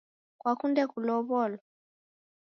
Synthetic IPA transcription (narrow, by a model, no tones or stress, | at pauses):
kwakundɛkulɔβɔlɔ